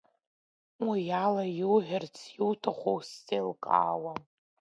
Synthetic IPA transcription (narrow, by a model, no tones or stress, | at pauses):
wijalajuwħɪrt͡sʰjiwtʰaχʷowst͡sʼelkʼa̰ːwa